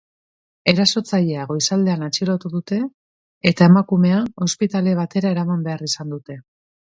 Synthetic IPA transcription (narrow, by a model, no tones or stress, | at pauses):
e̞ɾaso̞t͡saʎe̞aɣo̞jsald̪e̞anat͡ʃilot̪uðut̪e̞ː | t̪ae̞makume̞ao̞spit̪ale̞β̞at̪e̞ɾae̞ɾamambe̞arisand̪ut̪e̞